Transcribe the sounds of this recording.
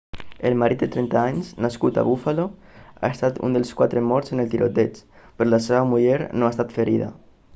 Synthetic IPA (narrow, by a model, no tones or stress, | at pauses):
elmaɾit̪̚d̪et̪ɾent̪aaɲznaskut̪a̰βufaloa̰est̪at̪ṵnd̪elskwat̪ɾemɔɾsenelt̪iɾʔot̪et͡ʃpeɾolaseβamuʎeɾnoaest̪at̪feɾiða̰